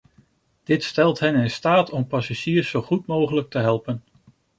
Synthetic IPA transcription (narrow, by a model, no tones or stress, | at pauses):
d̥ɪtstɛlˠtɦɛnɪnstaːtʰɔmpɑsaʒiːrsowχutmowχələk̚təɦɛlˠpən